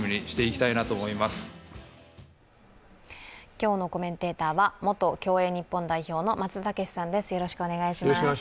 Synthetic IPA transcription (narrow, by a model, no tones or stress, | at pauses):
mʲiɲʲiɕi̥t̪e̞ikʲi̥t̪ainat̪o̞mo̞imasɨ̥ | kʲo̞ːno̞ko̞mẽ̞nt̪e̞ːt̪aːβamo̞t̪o̞kʲo̞ːe̞ːɲ̟ipːõ̞nd̪aiço̞ːno̞mat͡sɨt̪ake̞ɕi̥sãnd̪e̞sɨ̥jo̞ɾo̞ɕi̥kɯone̞ɡaiɕimas